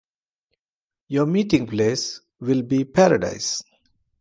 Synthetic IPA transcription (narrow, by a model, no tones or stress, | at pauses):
jɔmiːʈɪ̃ŋpleːs | ʋɪlbiːpʰæɾəɖa̰ɪs